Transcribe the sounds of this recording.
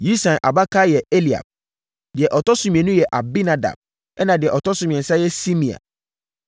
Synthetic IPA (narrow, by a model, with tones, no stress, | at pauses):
ji˦sã˨nʔa̰˨ba˦kʰa˦jɛ˨e˦li˨a̰˨b̚ | dɪ˨ɛ˨ʔɔ˨tɔ˦sʊ̃˨mĩ˨ɛ̃˨nũ˦jɛ˨ʔa˨bi˦nã˨da̰˨b̚ | ɛ˦nã˨dɪ˨ɛ˨ʔɔ˨tɔ˦sʊ̃˨mĩ˨ɛ̃˨n̩˨sa˦jɛ˦si˦mĩ˨a̰˨